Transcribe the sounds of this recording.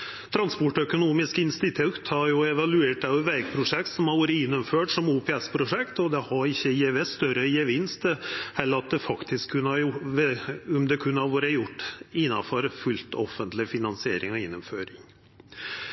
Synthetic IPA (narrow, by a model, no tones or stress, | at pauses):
t̪ʰɾɑnspɔʈːœkʊnuːmɪskəɪnst̪ɪt̪ʰʉt̪hɑɾjʊɛʋɑlʉeːʈɑʋʋæɾk̚pʰɾʊʂɛk̚t̪sɔmhɑɾʋuːɾəɪnːʊmføːʈsɔmuːpʰɛɛspʰɾʊʂɛkt̪ɔd̪ɛhɑɾɪçːəjɛʋɛst̪œɾəjəʋɪnst̪hɛlːəɾɑt̪̚d̪ɛfɑkt̪ʰɪskʰːʉnːɑjʊʋʊmd̪ɛkʰʉnːəhɑʋoːɾəjʊʈːɪnːɑfɔɾfʉlt̪ɔfːənt̪lɪfɪnɑnsɪeːɾɪŋɔɪnːʊmføːɾɪŋ